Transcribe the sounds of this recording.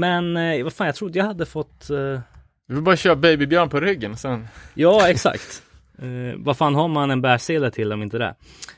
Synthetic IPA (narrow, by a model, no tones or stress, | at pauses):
mɛnvafaːnjɑat̪ɾʊd̪ːəjahad̪ːəfɔt̪ː | vɪvɪlbɑːɾaɕøːɾabɛjbɪbjœːɳpʰɔɾʏɡːənɔsɛnjɑːɛksa̰kt̪ | vaɾfaːnɦaɾmanɛnbæːʂeːd̪at̪ʰɪlːɔmɪnt̪əd̪ɛ̰